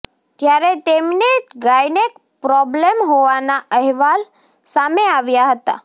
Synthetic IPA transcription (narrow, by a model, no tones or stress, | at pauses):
t̪jaɾet̪emneɡajnek | pɾɔblemɦoʋanaəɦʋal | sameaʋjaɦət̪a̰